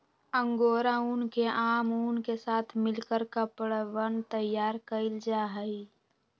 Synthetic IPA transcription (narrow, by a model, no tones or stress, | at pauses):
ə̃ŋɡoːɾauːnkeʔaːmuːnkesaːt̪ʰmɪlkəɾkəpɽʋənt̪əjːaːɾkəɪld͡ʒaːɦəi